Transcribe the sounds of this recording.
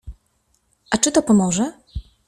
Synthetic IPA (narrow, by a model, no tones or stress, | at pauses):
ʔat͡ʂɘt̪ɔpɔmɔʐɛ